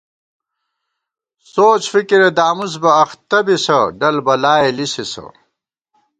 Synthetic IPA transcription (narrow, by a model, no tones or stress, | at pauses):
soːt͡ɕfikiɾed̪aːmus̬bɐːxt̪ɐbisɐɖɐlbɐlaːelisisɐ̰